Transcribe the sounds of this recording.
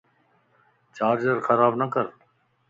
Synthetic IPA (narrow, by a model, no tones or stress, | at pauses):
t͡ʃaːɾd͡ʒəɾxʰəɾaːbnəkəɾ